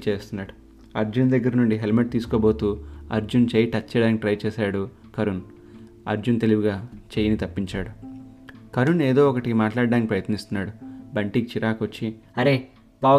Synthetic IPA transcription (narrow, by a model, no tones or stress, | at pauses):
t͡ʃeːst̪unːaːɽu | ɐɾd͡ʒund̪ɐɡːɐɾɐnuɳɖiɦelmeʈ̚t̪iːsu̥koːbo̞ːt̪uːɐ̰ɾd͡ʒunt͡ʃeːjiʈɐt͡ʃːeːɽaːnikiʈɾɐjt͡ʃɛːʃaːɽu | kɐɾun | ɐ̰ɾd͡ʒunt̪e̞liʋuɡaːt͡ʃejɐnit̪ɐpːiɲt͡ʃaːɽu | kɐɾuneːd̪o̞ːɔkɐʈikimaːʈlaːɖːaːnikʲipɾɐjɐt̪nist̪unːaːɽubɐɳʈikt͡ʃiɾaːkʋot͡ʃːiɐɾe | baː